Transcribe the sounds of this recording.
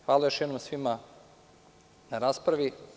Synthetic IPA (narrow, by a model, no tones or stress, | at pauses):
xʋaːlˠajoʃjɛd̪nomsʋima | naɾaːspɾaʋi